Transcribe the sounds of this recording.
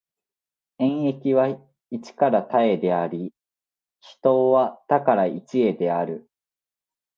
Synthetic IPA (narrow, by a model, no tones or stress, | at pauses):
ẽ̞ɰ̃e̞kʲiβa | it͡ɕi̥kaɾat̪ae̞d̪e̞aɾʲi | çi̥t̪o̞ːβat̪akaɾait͡ɕie̞d̪e̞aɾɯ̟